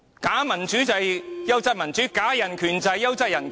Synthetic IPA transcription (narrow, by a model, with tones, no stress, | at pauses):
kaː˨˥mɐ˨˩nt͡ʃyː˨˥t͡sɐ˨jjɐ˥wt͡sɐ˥t̚mɐ˨˩nt͡ʃyː˨˥kaː˨˥jɐ˨˩nkʰyː˨˩nt͡sɐ˧jɐ˥wt͡sɐ˥jɐ˨˩nk